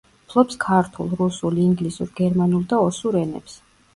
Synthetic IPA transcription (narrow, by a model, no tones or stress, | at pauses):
pʰlˠɔpskʰaɾt̪ʰulˠɾusuliŋɡlisṵɾɡɛɾmanulˠd̪aɔsuɾɛnɛ̰ps